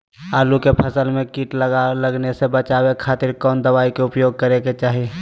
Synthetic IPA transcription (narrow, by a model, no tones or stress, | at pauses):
aːlukepʰɐsəlmẽkiːʈlləɡnesebət͡ʃaːwekʰaːt̪ɪɾkɔːnd̪əʋaːikeʊpjoːɡ̚kəɾeket͡ʃaːɦieː